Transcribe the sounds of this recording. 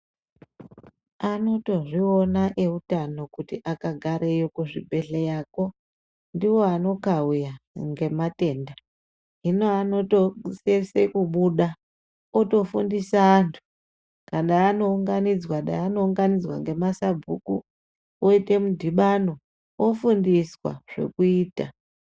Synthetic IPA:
ano̞to̞ʐionaʔe̞utano̞kutiʔakaɡʱaɾejokuʐibʱe̞ɬejaːko̞ | ndiwo̞ano̞kaujaŋɡe̞mate̞ːnda | ɦino̞ano̞tosesekuɓuɗa | oto̞fundisaːntʰu̥ | kaɗaːno̞uŋɡanid͡zwaɗa̰ano̞uŋɡanid͡zwa̰ŋɡe̞masabʱṵku | oite̞mudʱiɓano̞ | ofundiswa̰ʐ̥e̞̰kuiːta̰

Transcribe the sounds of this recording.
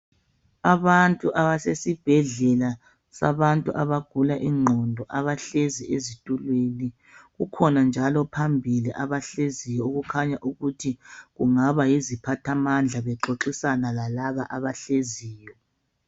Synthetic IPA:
aβantʼuʔaβasesib̥ʱɛɮɛla | sa̰βantʼuʔaβaɡ̥ʱulaʔiŋ͡ǃʱɔndʱɔʔaβaɬeziʔezitʼulweni | ɣukʰɔnand͡ʒʱalɔpʰambʱiliʔaβaɬezijɔoɣukʰaɲaʔuɣutʰiɣuŋaβajizipʰatʰamand͡ɮʱaβɛǁoǁisanalalaβaʔaβaɬeziːjɔ

